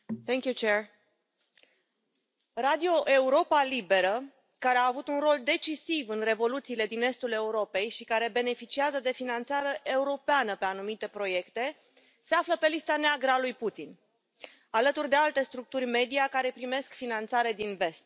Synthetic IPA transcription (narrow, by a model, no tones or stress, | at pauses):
θɛŋkʲjut͡ʃeɹ | ɾad̪io̞ʔe̞uɾo̞palibe̞ɾə | kaɾe̞aːvut̪unro̞ld̪e̞t͡ʃisivɨnre̞vo̞lut̪siːle̞d̪ine̞st̪ule̞uɾo̞pe̞jʃikaɾe̞be̞ne̞fit͡ʃiazəd̪e̞finant̪saɾeʔe̞uɾo̞peanəpe̞anumit̪e̞pɾo̞je̞kt̪e̞ | se̞afləpe̞list̪aneaɡɾalujput̪in | alət̪urd̪e̞alt̪e̞st̪ɾuk̚t̪urʲme̞d̪iakaɾe̞pɾime̞skfinant̪saɾe̞d̪inve̞st̪̚